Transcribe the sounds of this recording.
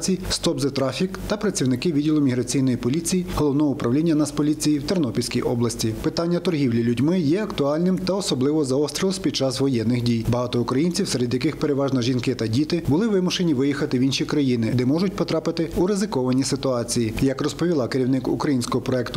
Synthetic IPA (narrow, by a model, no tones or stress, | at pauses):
t͡sʲijst̪ɔbzɐt̪ɾɑfʲikt̪ɐpɾɐt͡sʲiwnɪkɪʋʲidʲilˠʊmʲiɦɾɐt͡sʲijnɔjipɔlʲit͡sʲijiɦɔlˠɔʋnɔɦɔʊpɾɐwlʲinʲːɐnɐspɔlʲit͡sʲijiwt̪ernɔpʲilsʲkʲijʔɔblˠɐsʲtʲipɪt̪ɑnʲːɐt̪ɔrɦʲiwlʲilʲʊdʲmɪjɛɐkt̪ʊɑlʲnɪmt̪ɐɔsɔblˠɪʋɔzɐɔst̪ʲɾʲilˠsʲpʲid̪̚t͡ʃɑsʋɔjɛnːɪxdʲijbɐɦɑt̪ɔʊkɾɐjinʲt͡sʲiwseɾed̪jɐkɪxpe̞ɾeʋɑʒnɔʒinkɪt̪ɐdʲit̪ɪbʊlˠɪʋɪmʊʃenʲiʋɪjixɐt̪ɪʋʲinʃʲikɾɐjinɪd̪ɛmɔʒʊt̚ʲpɔt̪ɾɑpɪt̪ɪuɾɪzɪkɔʋɐnʲisɪt̪ʊɑt͡sʲijijɐkrɔspɔʋʲilˠɑkeɾʲiwnɪkṵkɾɐjinʲsʲkɔɦɔpɾɔɛkt̪ʊ